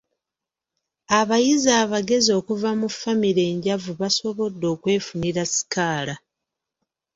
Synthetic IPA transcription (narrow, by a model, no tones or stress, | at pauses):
aβajizaːβaɡe̞zio̞ːkuvamufamiɾe̞ːɲɟavuβaso̞βo̞dːo̞ːkwe̞ːfuniɾasi̥kaːla